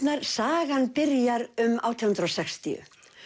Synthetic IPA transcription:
naɾ̥saːɣanpɪɾjaɾʏma̰wt̪ʰɪhʏnt̪ɾowsɛkst̪ḭʏ̰

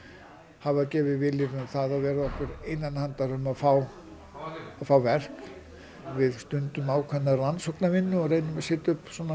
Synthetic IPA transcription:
havacɛːvɪvɪlɪɾʏmθaðavɛːɾaðɔhkvʏɾejnːanhant̪aɾʏmaðfaw | aðfawvɛr̥k | vɪðst̪ʏnt̪ʏmaːwkʰvɛnːaransɔknavɪnːʏɔreːjnʏmasɛːt̪aʏpsɔːna

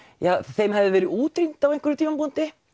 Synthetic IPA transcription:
jaːθejmɦɛvðɪvɛːɾɪuːt̪ɾint̪avejŋkvʏɾʏt̪ʰiːmampunt̪ɪ

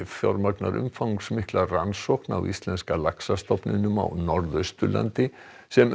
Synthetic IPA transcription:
fθjɔɾmakna̰ɾʔʏ̰mfawŋksmɪhklaransɔhkna̰wʔḭst̪lɛnskalaksast̪ɔpnɪnʏma̰wnɔɾðœɥst̪ʏla̰nt̪ɪ | sɛm

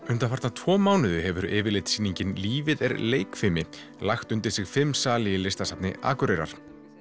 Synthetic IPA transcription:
ʏnt̪afaɾt̪nat̪ʰvɔːmaːwnɪðʏɦɛvʏɾɪːvɪɾlejt̪siːniɲcɪnliːvɪðɛ̰ɾleːjkfɪmɪ | laxt̪ʏnt̪ɪɾ̥sɪɣfɪmːsaːlɪjɪlɪst̪asapnɪ̰ʔa̰ːkʏɾejɾa̰ɾ̥

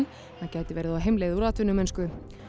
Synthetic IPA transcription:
n | hacɛːjt̪ɪvɛːɾɪðaɦejmleːjðuɾaːt̪ʰʏnːʏmɛnskʏ

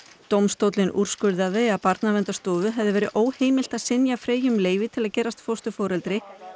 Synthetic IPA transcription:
t̪owmst̪owt̪lɪnʔṵɾ̥skʏɾðaðɪaðpaɾt̪navɛnt̪ast̪ɔːvʏɦɛvðɪvɛːɾɪʔoːwheːjmɪl̥t̪aðsɪnjafɾeːjʏmleːjvɪt̪ʰɪlaðcɛːɾast̪fowst̪ʏfɔːɾɛlt̪ɾɪ

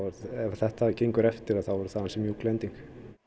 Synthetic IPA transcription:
ɾɛvθɛht̪aacejŋkʏɾɛft̪ɪɾaðθawvɔɾʏ̥θaːðansɛmjuklɛnt̪iŋk

